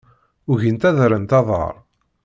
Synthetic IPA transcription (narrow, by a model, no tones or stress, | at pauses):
ʊʝənt̪æðɾənt̪ɑðˤə̰ɾˤ